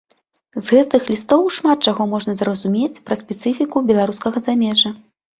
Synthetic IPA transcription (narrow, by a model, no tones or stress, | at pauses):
zɣɛt̪ɨxlʲist̪ɔwʂmat̪̚t͡ʂaɣɔmɔʐnɐzɾɐzumʲet͡sʲpɾɐspʲɛt̪sɨfʲikubʲɛlˠaɾuskɐɣɐzamʲɛʐɐ